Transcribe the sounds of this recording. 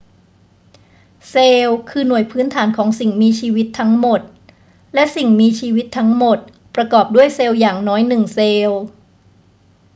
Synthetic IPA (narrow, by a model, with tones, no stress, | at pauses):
seː˧wkʰɯː˧nu˨˩əjpʰɯː˦˥nt̪ʰaː˩˦nkʰɔː˩˦ŋsi˨˩ŋmiː˧t͡ɕʰiː˧wi˦˥t̪ʰːa˦˥ŋmo˨˩t̪̚ | lɛ˦˥ʔsi˨˩ŋmiː˧t͡ɕʰiː˧wi˦˥t̪ʰːa˦˥ŋmo˨˩t̪̚ | pɾa˧kɔː˨˩p̚du˥˩əjseː˧wjaː˨˩ŋnɔː˦˥jnɯ˨˩ŋseː˧w